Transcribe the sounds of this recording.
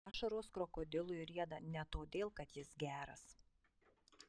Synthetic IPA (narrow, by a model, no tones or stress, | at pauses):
ʃɐɾoːskɾɔkoːd̪ʲɪlˠʊɪɾʲiɛd̪ɐnʲɛt̪oːd̪ʲeːlˠkɐt̪jɪsɡʲæːɾɐ̰s